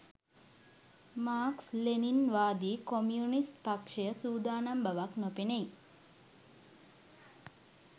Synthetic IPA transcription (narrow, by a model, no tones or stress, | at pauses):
maːksleninʋaːd̪iːkomjunist̪pakʂejəsuːd̪aːnambəʋaknopenej